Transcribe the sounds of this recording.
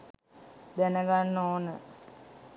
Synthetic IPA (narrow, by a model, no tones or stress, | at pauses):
d̪ænəɡanːoːnə